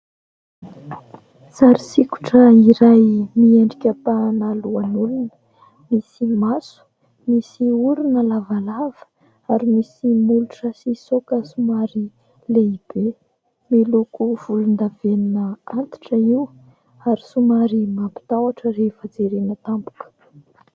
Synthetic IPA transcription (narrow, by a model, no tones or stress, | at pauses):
saɾisiku̥ʈ͡ʂəiɾajmieɳɖ͡ʐikʲəpanaluanulunə̥ | misimasu̥ | misiuɾinəlavalav̥ə̥ | aɾimisimuluʈ͡ʂəsisokəsumaɾi | leib̥e | milukuv̥ulund̪aveninəant̪i̥ʈ͡ʂəiw | aɾisumaɾimapi̥t̪awaʈ͡ʂərefəd͡zeɾenət̪ampu̥kə̥